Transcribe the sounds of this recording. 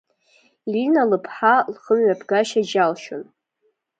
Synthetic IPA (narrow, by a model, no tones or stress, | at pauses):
linalɨpʰħalχəmɥapʰɡaʃad͡ʒalʃon